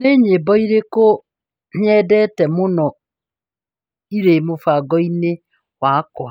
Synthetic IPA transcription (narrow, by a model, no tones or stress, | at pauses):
neɲebɔiɾeko | ɲɛdɛtɛmʊnɔ | iɾemofaɡɔine | wakɔ